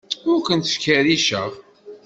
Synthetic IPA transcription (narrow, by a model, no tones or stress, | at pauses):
ʊɾkʷənt̪ə̥fkæɾiʃəʁ